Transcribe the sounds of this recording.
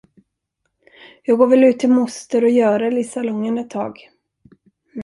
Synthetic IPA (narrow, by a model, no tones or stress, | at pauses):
jɑːɡoːvɛlʉ̟ːt̪ʰːɪlmʊst̪əɾɔjœːɾɛlɪsalɔŋːənɛt̪ʰːɑ̰ːɡ